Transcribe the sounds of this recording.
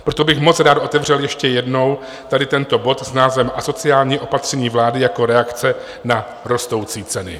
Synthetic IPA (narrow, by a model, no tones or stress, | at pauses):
pɾo̞t̪o̞bɪxmo̞t͡sɾaːt̪ʔo̞t̪ɛvr̝ɛljɛʃcɛjɛdno̞w | t̪adɪt̪ɛnt̪o̞bo̞t̪snaːzvɛmʔaso̞t͡sɪjaːlɲiːʔo̞pat̪r̝̥ɛɲiːvlaːdɪjako̞ɾɛakt͡sɛ | na | ɾo̞st̪o̞wt͡siːt͡sɛnɪ̰